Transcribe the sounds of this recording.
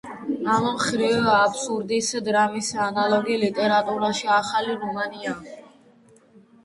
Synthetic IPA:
ammχɾivapʰsuɾd̪isd̪ɾamisanalˠɔɡilit̪ʼɛɾat̪ʼuɾaʃiaχaliɾɔmania

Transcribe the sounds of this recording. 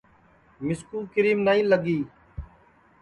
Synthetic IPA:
mɪskuːkɪɾiːmnaːĩːləɡiː

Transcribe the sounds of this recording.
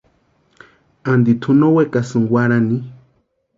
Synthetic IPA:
and̪it̪ʰunowekasɨŋwaɾani

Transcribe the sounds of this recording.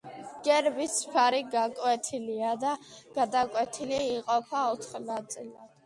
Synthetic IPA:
ɡ̥ɛɾbispʰaɾiɡakʼwɛt̪ʰiliad̪aɡ̥ad̪akʼwɛt̪ʰiliːqʼɔpʰaɔt̪ʰχnat̪sʼilad̪̥

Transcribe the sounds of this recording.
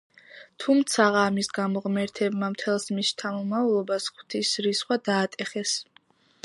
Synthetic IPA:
t̪ʰumt̪sʰaʁaːmisɡamɔʁmɛɾt̪ʰɛbmamt̪ʰɛlˠsmist̪ʰamɔmalˠɔbasχwt̪ʰisɾisχwad̪aːt̪ʼɛχɛs

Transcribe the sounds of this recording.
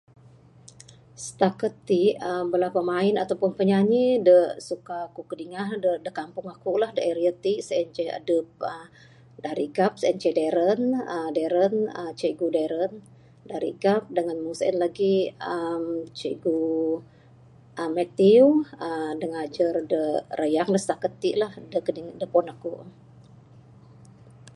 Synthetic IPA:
sə̥t̪akət̪ːiʔəbəlapamaɪnat̪apʊnpəɲaɲidəsukakukədiŋahdədəkampʊŋakuʔlahdəʔɛɾiət̪iʔsəɛnt͡ʃɛə̰dəp̚ə | daɾiɡap̚sɛnt͡ʃɛdɛɾənədeɾənət͡ʃeɡudeɾən | daɾḭɡap̚dəŋanmusə̰nlaɡiəmt͡ʃḛɡu | ʔəmɛt̪iuədəŋad͡ʒərdərəjaŋdəst̪akət̪ːiʔlahdəkədiŋdəpɔnakuʔ

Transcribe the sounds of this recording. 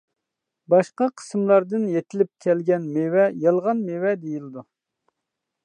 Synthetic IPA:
bɑʃqɑqʰə̥smlˠɑɾd̪ɨnjet̪ʰɪlɪp̚kʲʰɛlɡʲɛnmewɛjɑlˠʁɑnmewɛd̪ejilɪd̪u

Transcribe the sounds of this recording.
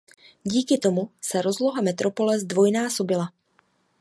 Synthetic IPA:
ɟiːkɪt̪o̞musɛɾo̞zlo̞ɦamɛt̪ɾo̞po̞lɛzdvo̞jnaːso̞bɪla

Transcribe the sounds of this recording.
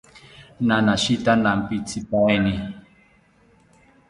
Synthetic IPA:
nanaʃitanam̩pitʰipɔɛni

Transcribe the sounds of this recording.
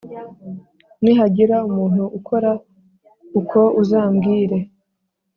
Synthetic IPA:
niɦaɟiɾaumuːn̥huʔːkʰo̞ɾa | ukʰo̞uzaːmɡiːɾe̞

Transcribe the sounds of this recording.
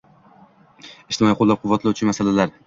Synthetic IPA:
ɪʃt̪ɪmɒiqʰolˠːap̚qʰʊvːat̪lawt͡ʃʰɪmasalalaɾ

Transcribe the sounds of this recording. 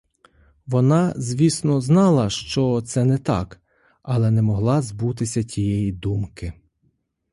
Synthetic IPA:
ʋɔnɑzʲʋʲisnɔznɑlˠɐʃt͡ʃɔt̪sɛnɛt̪ɑ̰k | ɐlˠɛnɛmɔɦlˠɑzbut̪ɪsʲɐtʲijɛjid̪umkɪ

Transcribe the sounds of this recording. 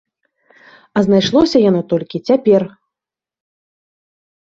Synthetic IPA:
ɐznajʂlˠɔsʲɐjanɔt̪ɔlʲkʲit͡sʲapʲɛr

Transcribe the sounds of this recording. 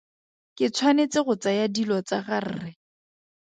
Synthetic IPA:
kɪt͡sʰwanet͡sɪɣʊt͡sajadilɔt͡saɣar̩̰ːrɪ

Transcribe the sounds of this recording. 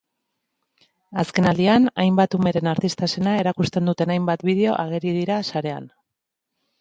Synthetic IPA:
aske̞nald̪ianajmbat̪ume̞ɾe̞naɾt̪ist̪ase̞nae̞ɾakust̪e̞nd̪ut̪e̞najmbat̪bið̞e̞o̞ʔaɣ̞e̞ɾið̞iɾasaɾe̞a̰n

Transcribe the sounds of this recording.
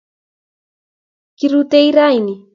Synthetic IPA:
kiɾut̪ejɾajni

